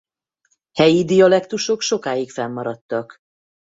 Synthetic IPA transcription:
hɛjid̪ijɒlɛkt̪uʃo̞kʃo̞kaːjikfɛmːɒɾɒt̪ːɒk

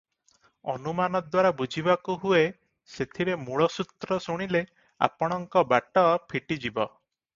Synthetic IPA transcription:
ɔ̰numanɔd̪waɾabud͡ʒʱibakuɦue | set̪ʰiɾemuɭɔsut̪ɾɔsuɽ̃ile | a̰pɔɽ̃ɔŋkɔbaʈɔpʰiʈid͡ʒibɔ

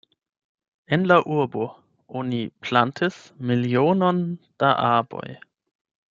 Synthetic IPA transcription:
ʔɛnlaʔuɐbo | ʔonipʰl̥antʰəsmiljoːnɔnd̥aʔaɐbɔ̰j

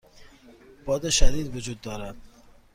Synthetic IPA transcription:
b̥ɒd̪ɪʃad̪id̪vʊd͡ʒud̪ːɒːɾad̪

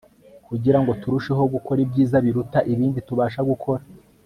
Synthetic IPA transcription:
kuɟiɾaŋɡo̞tuɾuʃeɦoɡuko̞ɾibɟiːzaβiɾutaʔiβiːndituβaːʃaɡukʰo̞ɾa

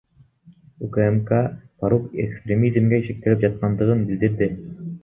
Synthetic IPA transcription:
ukaemkapaɾupḛkst̪ɾʲemʲizmɡeiʃik̚t̪elip̚d͡ʒɑt̪̚qɑnd̪ɯʁɯnbild̪iɾd̪ɪ

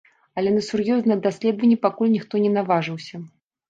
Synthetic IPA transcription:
ɐlʲɛnɐsurjɔznɐjɐd̪asʲlʲɛd̪vɐnʲːipakulʲnʲixt̪ɔnʲɛnavaʐɨwsʲɐ

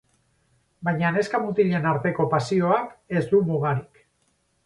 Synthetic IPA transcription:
bajɲane̞skamut̪iʎe̞naɾt̪e̞ko̞pasio̞ake̞zd̪umuɣ̞aɾik

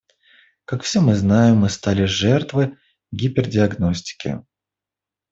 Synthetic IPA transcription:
kakfsʲemɨznajɪmːɨst̪alʲɪʐɛrt̪vɨ | ɡʲipʲɪrdʲɪɐɡno̞sʲtʲɪ̥kʲɪ̰

